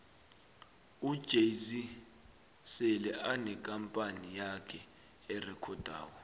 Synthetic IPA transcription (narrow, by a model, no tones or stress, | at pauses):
ud̥ʒ̥ʱezi | sɛlɛʔanɛkʼampʼanijakʰɛ | ɛrɛkʰɔd̥ʱa̰ːwɔ